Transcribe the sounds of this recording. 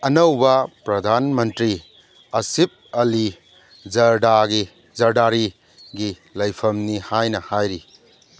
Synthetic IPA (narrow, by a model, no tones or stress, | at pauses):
ɐnɐwbɐpɾɐd̪ʱanmɐntɾi | ɐsip̚ɐli | zɐɾdaɡi | zɐɾdaɾi | ɡi | lɐjpʰɐmnihajnɐhajɾi